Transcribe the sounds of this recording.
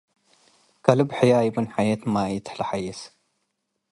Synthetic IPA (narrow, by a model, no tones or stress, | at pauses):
kʰɐlɨbħajajɪbɨnħajet̪majɪt̪ħlɐħajɛs